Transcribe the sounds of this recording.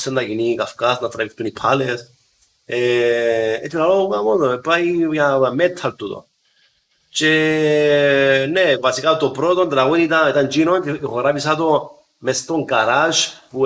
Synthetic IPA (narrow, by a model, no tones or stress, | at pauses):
send̪aɡinikafkasnat̪ɾavift̪unipʰales | e | et̪ilaloɡamot̪oepajjamet̪ʰːalt̪ut̪o̰n | t͡ʃe | nevasikat̪opɾot̪ond̪ɾaɣonit̪ait̪and͡ʒinont̪iɣoɾabisat̪o | mest̪oŋɡaɾat͡ʃpu